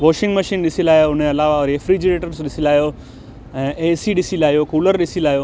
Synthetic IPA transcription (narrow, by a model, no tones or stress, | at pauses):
ʋoːʃɪ̃ŋɡməʃiːnɗɪsilaːjoʊneɐlaːʋaɔɾefɾiːd͡ʑɪɾeːʈəɾsɗɪsilaːjo | ɛ̃ːʔeːsiɗɪsilaːijokuːləɾɗɪsilaːjoː